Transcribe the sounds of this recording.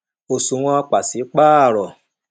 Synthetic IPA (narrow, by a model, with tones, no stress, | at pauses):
o˨su˨w̃ɔ̃˧a˧k͡pa˨si˨˦k͡paː˦˨ɾɔ˨